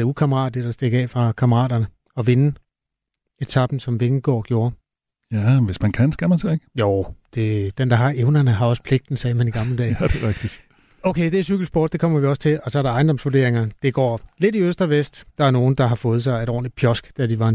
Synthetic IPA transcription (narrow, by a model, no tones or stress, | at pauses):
d̥eukʰɑməʁɑ̰̈ːdid̥ɑ̈sd̥e̝ɡ̥ɛ̰ːfʁɑ̈kʰɑ̈məʁɑ̰̈ːd̥ɐnə | ɒ̽ʋe̝nə | e̝d̥t͡sʰɑ̈b̥n̩sɒ̽mʋeɡ̥n̩ɡ̥ɒ̰ːɡ̥jo̝ːɐ | jæʋesmænkʰænsɡ̥æmænsɑeɡ̥əjoʊd̥e̝d̥end̥ɑ̈ɦɑ̈ʔeʊnɐnəɦɑ̈ɒ̽sə̥pʰle̝ɡ̥̚d̥n̩sɛːmæniɡ̥ɑ̈mləd̥ɛ̰ːd̥eʁaɡ̥d̥i̥ | oʊkʰed̥e̝æɐsyɡ̥l̩sb̥ɒ̰ːd̥̚ːe̝kʰɒ̽m̰ɐʋiɒ̽sə̥t͡sʰe̝lɒ̽sɒ̽æɐɾ̥ɑ̈ɑ̈ɪndɒ̽msʋod̥e̝ɐ̰eŋɐd̥e̝ɡ̥ɒ̰ːle̝diøsd̥ʁɐʋesd̥ɑ̈æɐno̝ːn̩d̥ɑ̈ɦɑ̈fɔ̽ːð̞̩ˠsɑ̈ɪeɾɒ̰ːnlid̥̚pʰjɒ̽sɡ̥d̥æd̥iʋɑ̈e